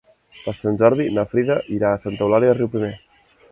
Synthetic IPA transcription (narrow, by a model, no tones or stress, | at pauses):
pəɾsanʲʒɔɾðinəfɾiðəʔiɾaːsant̪əwlaɾiəriwpɾime